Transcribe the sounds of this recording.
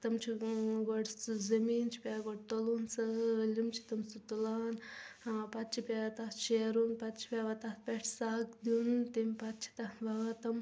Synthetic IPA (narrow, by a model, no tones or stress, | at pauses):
t̪ɐmt͡ʃʰiɡoɽzɐmiːnt͡ʃʰi̥pʲaːɡoɽt̪olunsɐlimt͡ʃʰi̥t̪ɐmsut̪ulaːn | pɐt̪t͡ʃʰipʲat̪at̪t͡ʃʰeɾunpɐt̪t͡ʃʰi̥pʲaʋat̪at̪̚pʲeʈʰsaːkd̪unt̪imʲpɐt̪t͡ʃʰi̥t̪ɐʋaʋat̪ɐm